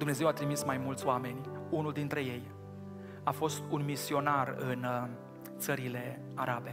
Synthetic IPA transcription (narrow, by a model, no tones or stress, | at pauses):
d̪umne̞ze̞wat̪ɾimismajmult̪sʲoame̞nʲunuld̪int̪ɾe̞je̞j | afo̞st̪unmisio̞narɨn | t̪səɾile̞ | aɾabe̞